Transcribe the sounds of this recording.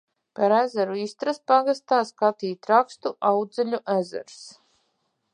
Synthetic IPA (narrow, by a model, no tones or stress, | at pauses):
paɾæzɛɾuist̪ɾaspaɡast̪aːskat̪iːt̪ɾakst̪uʔawd̪zɛlʲuʔæzæ̰ɾs